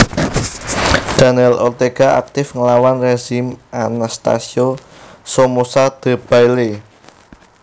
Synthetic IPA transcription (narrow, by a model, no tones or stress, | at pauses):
d̥a̤nɛlɔrt̪eɡ̥a̤a̰k̚t̪ɪfŋəlawanreʒ̥imʔanast̪a̰sio | somosad̪̥ə̤b̥ajle